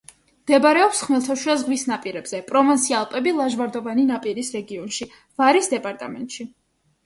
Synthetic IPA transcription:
md̪̥ɛbɾɛɔpsχmɛlˠt̪ʰaʃiazɡwisnapʼiɾɛbz̥ɛpʼɾɔvansʰialˠpʼɛbilˠaʒvaɾd̪ɔvaninapʼiɾisɾɛɡiɔnʃi | vaɾisd̪ɛpʼaɾt̪ʼamɛ̰nt̪ʼʃi

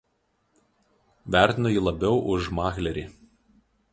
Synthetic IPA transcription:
ʋʲæˑɾʲt̪ʲɪnojiːlˠɐbʲɛʊʔʊʃmɑːxlʲɛɾʲiː

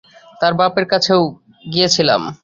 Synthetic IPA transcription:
t̪aɾbapeɾkat͡ɕʰew | ɡijet͡ɕʰila̰m

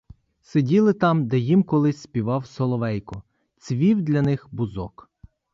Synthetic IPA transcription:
sedʲilˠɪt̪ɑmd̪ɛjimkɔlˠɪsʲsʲpʲiʋɑwsɔlˠɔʋɛjkʊ | t͡sʲʋʲiwd̪ʲlʲɐnɪxbʊzɔk

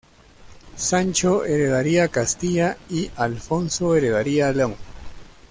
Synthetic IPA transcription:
sant͡ʃoeɾeðaɾiakast̪iʎaialfonsoeɾeðaɾialeoŋ

